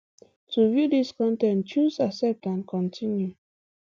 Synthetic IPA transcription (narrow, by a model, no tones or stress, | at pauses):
tʰuvjudiskɔ̃ntɛ̃nt͡ʃuzasɛp̚tãnkʰɔ̃ntʰĩnju